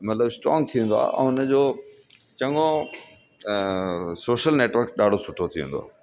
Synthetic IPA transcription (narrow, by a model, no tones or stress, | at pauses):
mɐt̪ləbsʈɾɔ̰ːŋɡ̚t̪ʰiẽnd̪oa̰ːʔɛ̰̃ːʊnə̆d͡ʑoː | t͡ɕɐ̃ŋɡo | soːʃəlneːʈʋəɾkɗaːɖ̤ʱosʊʈʰot̪ʰiʋẽndoa̰ː